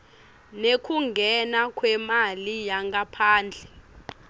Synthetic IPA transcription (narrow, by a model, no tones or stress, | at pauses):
nekʰuŋɡʱɛnakʰwɛmalijaŋɡapʰaːnd͡ɮʱɛ